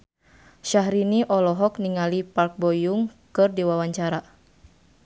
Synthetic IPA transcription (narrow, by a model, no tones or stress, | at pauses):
ʃaɦɾiniʔɔlɔɦɔkniŋalipark̚bɔjuŋkɨrdiwawaɲt͡ʃaɾa